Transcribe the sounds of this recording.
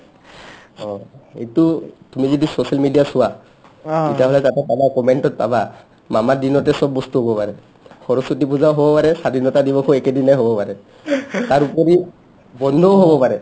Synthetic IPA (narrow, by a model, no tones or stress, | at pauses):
ɔejtʊtumizodisosalmidijasʊwa | itiaɦɔlɛtatɛpabakɔmɛntɔt̚paba | mamadinɔtɛsɔbːɔstuɦobɔpaɹɛ | xʰɔɹɔsut̬ipuzaɦobɔpaɹɛsadʱinɔtadibɔkʰɔɛkedinajɦobɔpaɹɛ | taɹupɔɹi | bɔndʱɔɦobɔpaɹɛ